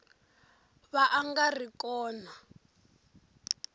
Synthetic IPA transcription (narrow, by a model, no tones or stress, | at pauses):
βaʔːŋɡarikɔːna